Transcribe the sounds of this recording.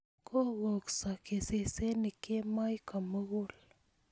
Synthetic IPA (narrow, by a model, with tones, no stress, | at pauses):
kʰo˦ɣo˨ksa˨ke˨se˨se˦ni˨ke˦ma˦jka˨mə˦ɣu˦l